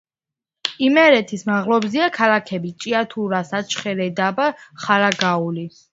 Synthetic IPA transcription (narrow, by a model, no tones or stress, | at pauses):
imɛɾɛt̪ʰismaʁlˠɔbziakʰalakʰɛbit͡ʃʼiat̪ʰuɾasat͡ʃχɛɾɛd̪abaχaɾaɡauli